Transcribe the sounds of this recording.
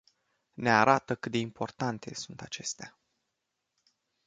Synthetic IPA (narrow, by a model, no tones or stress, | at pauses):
ne̞aɾat̪əkɨt̪d̪e̞impʰo̞rt̪ant̪e̞̰sunt̪at͡ʃe̞st̪ea